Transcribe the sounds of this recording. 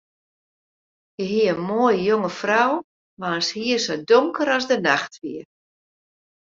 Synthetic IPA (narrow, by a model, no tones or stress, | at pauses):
jəɦiəənmoəjəjoŋəfraw | maənshiəsodoŋkəɾɔzdənaxtʋiə